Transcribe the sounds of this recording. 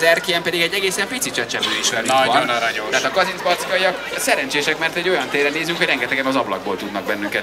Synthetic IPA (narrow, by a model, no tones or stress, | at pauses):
zɛrkijɛmpɛd̪iɡɛɟːɛɡeːsɛmpit̪sit̪t͡ʃɛt͡ʃɛbøːiʃʋɛlynɾɒot̪ɛɦaːt̪ɒkɒzinzbɒt̪sikɒjiɒksɛɾɛnt͡ʃeːʃɛkmɛrt̪ɛɟːo̞jɒnt̪eːrɛneːzyŋkhoɟrɛŋɡɛt̪ɛɡɛnɒzɒblɒ̰ɡ̚bo̰ːlt̪ud̪nɒɡ̚bɛnːyŋkɛt̪